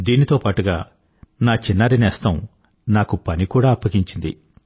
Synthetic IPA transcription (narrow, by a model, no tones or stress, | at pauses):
d̪iːnit̪o̞ːpaːʈuɡa̰ː | naːt͡ʃinːaːɾinɛːst̪ɐm | naːkupɐnikuːɽaːpːɐɡiɲt͡ʃind̪ḭ